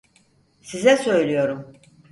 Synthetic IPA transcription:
sizɛsø̞jlʲijo̞ɾum

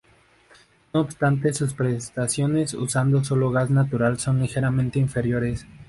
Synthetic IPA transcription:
no̞ːbst̪ant̪e̞suspɾest̪asjo̞ne̞sṵsand̪o̞s̬o̞lo̞ɣaznat̪uɾalso̞nlixe̞ɾamẽnt̪e̞iɱfe̞ɾjo̞ɾe̞s

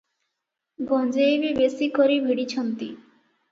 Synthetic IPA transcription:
ɡɔnd͡ʑejbibesikoɾibʱiɽit͡ɕʰɔnt̪i

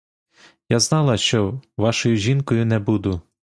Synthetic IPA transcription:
jaznɑlˠɐʃt͡ʃɔʋɑʃɔjʊʒʲinkɔjʊnɛbud̪ʊ

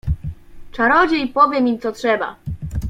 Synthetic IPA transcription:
t͡ʂaɾɔd͡ʑɛipɔvʲjɛmʲimt̪sɔtʂɛba̰

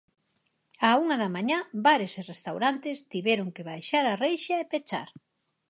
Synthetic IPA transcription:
auŋaðamaɲabaɾeserest̪awɾant̪ɪst̪iβɛɾoŋkeβajʃaɾarejʃaepet͡ʃa̰ɾ

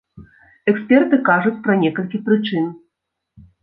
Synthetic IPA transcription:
ɛksʲpʲɛrt̪ɨkaʐut͡sʲpɾɐnʲɛkɐlʲkʲipɾɨt͡ʂɨn

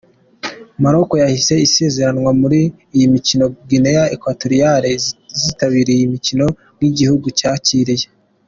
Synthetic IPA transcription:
maɾo̞ko̞jahise̞ise̞ːze̞ɾanwamuɾiː | jimicino̞ɡinejaekwatoɾijaɾezitaβiɾeijimicino̞ | ŋɡiɟihuɡucaːciɾije

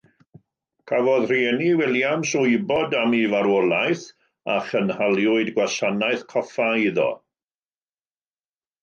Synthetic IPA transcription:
kʰavɔðr̥iɛniwɪlˠjamsʊɨbɔdamivaɾɔlˠajθ | a̰χənhalˠjʊɨdɡwasanaɨθkʰɔfaiðɔ̰

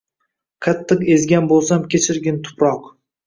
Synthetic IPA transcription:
qʰɑt̪ʰːɨqe̞zɡʲanbolˠsamkʲet͡ʃʰɪɾɡʲɪnt̪ʰʊ̥pɾɒq

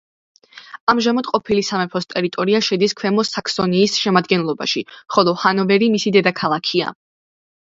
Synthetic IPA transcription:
amʒamad̪qʼɔpʰilisamɛpʰɔst̪ʼɛɾit̪ʼɔɾiaʃɛd̪iskʰwɛmɔsakʰsɔniːsʃɛmad̪ɡɛnlˠɔba̰ʃiχɔlˠɔhanɔvɛɾimisid̪ɛd̪akʰalˠakʰia̰

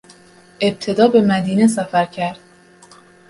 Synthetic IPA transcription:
ʔe̞b̚t̪ʰe̞d̪ɒːbe̞mæd̪iːnes̬æfæɾcʰæɾd̪̥

